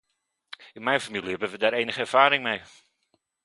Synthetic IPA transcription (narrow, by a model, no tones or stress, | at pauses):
ɪnmɛjnfamilˠiɦɛbənʋədaːɾejnəχəɛɹv̥aːɾɪŋmej